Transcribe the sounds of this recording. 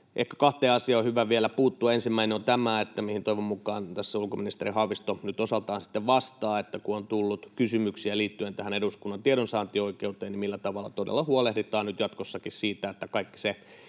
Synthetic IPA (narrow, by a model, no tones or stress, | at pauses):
ʔehkæ̥kɑht̪eːɑsiɑohyʋæʋielæpuːt̪ːuɑensimːæineont̪æmæet̪ːæmihint̪oiʋommukˑɑːnt̪æsːæulkominist̪erihɑʋist̪onyt̪osɑlt̪ɑːnsi̥t̪ːeʋʋɑst̪ɑːet̪ːækuont̪ulːut̪kysymyksiæliːt̪ːyent̪æhæneɾuskunːɑnt̪ieɾonsɑːnt̪ioikeut̪eːnimilːæt̪ɑʋɑlːˑɑ̰t̪odḛlːɑhuɑlehdit̪ɑːnnyt̪jɑt̪kosːɑkissiːt̪æet̪ːækɑikːi̥se